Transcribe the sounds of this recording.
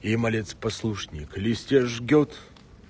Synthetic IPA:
imɐlʲet̪spɐslˠuʂnʲɪklʲɪsʲtʲeʐɡʲot̪

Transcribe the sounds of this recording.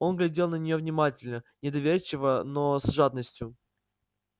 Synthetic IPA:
o̞nɡlʲɪdʲe̞lˠnənʲɪjovnʲɪmatʲɪlʲnənʲɪd̪ɐvʲeɾʲt͡ɕːɪvənosʐad̪̚nəsʲtʲjʊ

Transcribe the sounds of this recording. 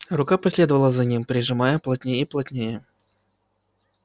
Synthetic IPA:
rʊkapɐsʲlʲed̪əvəlˠəzɐnʲimpɾʲɪʐɨmajəplˠɐt̪̚ʲnʲejəiplˠɐtʲnʲejə

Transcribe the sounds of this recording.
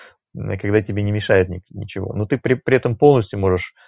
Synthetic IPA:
kɐɡd̪atʲɪbʲenʲɪmʲɪʂajɪt̪nʲɪnʲɪ̰t͡ɕɪvo̞̰nut̪ɨpɾʲɪpɾʲɪɛt̪əmpo̞lˠnəsʲtʲjʊmo̞ʐɨʂ

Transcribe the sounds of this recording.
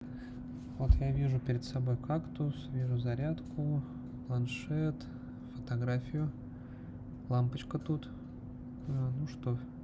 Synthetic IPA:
vo̞t̪javʲiʐʊpʲɪɾʲɪt̪sɐbo̞jkakt̪ʊsvʲiʐʊzɐɾʲat̪kʊ | plˠɐnʂɛt̪ | fət̪ɐɡɾafʲɪjʊ | lˠampət͡ɕkət̪ut̪ | anuʂt̪o

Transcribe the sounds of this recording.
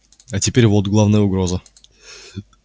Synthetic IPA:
atʲɪpʲeɾʲvot̪ɡlˠavnəjəʊɡɾozə

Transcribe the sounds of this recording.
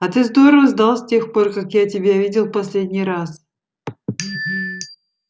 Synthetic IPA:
ɐt̪ɨzd̪o̞ɾəvəzd̪ɑlˠsʲtʲe̞xpo̞rkakjatʲɪbʲavʲidʲɪlˠpɐsʲlʲedʲnʲijɾas

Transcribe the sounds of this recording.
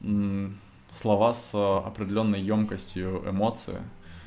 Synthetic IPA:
slˠɐvasɐ̰pɾʲɪdʲɪlʲo̞nːəjːomkəsʲtʲjʊʔɪ̰mo̞t̪sɨ̰ɪ̰

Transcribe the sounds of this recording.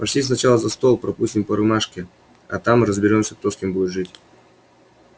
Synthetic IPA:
pɐɕlʲisnɐt͡ɕalˠəzɐst̪o̞lˠpɾɐpusʲtʲɪmpəɾɨmaʂkʲɪ | ɐ̰t̪amɾəzbʲɪɾʲo̞msʲək̚t̪o̞skʲembudʲɪt̪ʐɨtʲ

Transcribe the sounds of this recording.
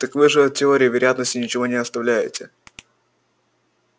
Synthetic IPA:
t̪əkvɨʐɨtʲɪo̞ɾʲɪjɪvʲɪɾʲɪjat̪nəsʲtʲɪnʲɪt͡ɕɪvo̞nʲɪɐst̪ɐvlʲæjɪ̰tʲɪ

